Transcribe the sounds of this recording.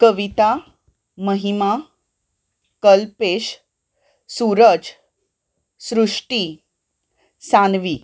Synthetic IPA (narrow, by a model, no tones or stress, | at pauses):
kəʋit̪a | məɦima | kəlpeɕ | suɾəd͡z | sɾuʂʈi | sanʋi